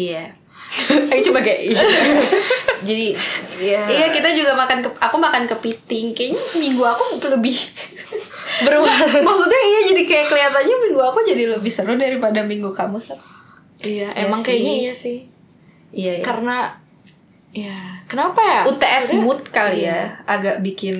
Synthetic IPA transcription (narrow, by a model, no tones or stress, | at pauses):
ija | ait͡ʃubakaʔa | d͡ʒadiijaijakit̪ad͡ʒuɡamakankəakumakankəpit̪ɪŋkaɲamiŋɡuakuləbɪh | bəɾuamaksut̪̚ɲaijad͡ʒadikajakəliat̪anɲamiŋɡuakud͡ʒadiləbɪhsəɾʊhdaɾipadamiŋɡukaməsat | ijaḛmaŋkajaɲaiɲasɪh | ijaijakaɾəna | ijakənapaut̪eʔɛsmʊt̪̚kalijaaɡaʔ̚bikɪn